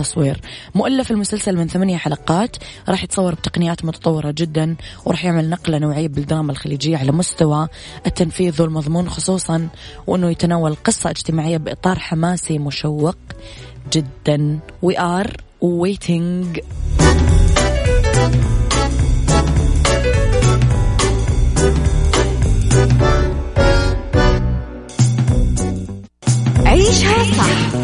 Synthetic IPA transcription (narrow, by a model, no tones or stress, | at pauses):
t̪ːɑsˤwiːɾmʊʔalːɪfɪlmʊsalsalmɪnθamanjaħalɑqɑːt̪ɾˤɑːħjɪt̪sˤɑwːɑɾˤbt̪ɑ̥qnɪjaːt̪mʊt̪ɑ̥t̪ˤɑwːɪɾɑd͡ʒɪd̪ːanwɾˤɑ̰ːħjɪʕmɪlnɑqlanoːʕɪjːabɪld̪ɪɾˤɑːmalxaliːd͡ʒɪjːaʕalamʊst̪awa | ʔɪt̪ːanfiːðwɪlmɑðˤmuːnxʊsˤuːsˤɑnwʔɪnːʊjat̪anaːwalqɨsˤːɑʔɪd͡ʒt̪ɪmaːʕɪjːabʔɨ̰t̪ˤɑːɾˤħamaːsimʊʃawːɪqd͡ʒɪd̪ːan | wɪʔɑːɾˤwweːt̪ʰɪŋɡ | ʕiːʃhaːsɑ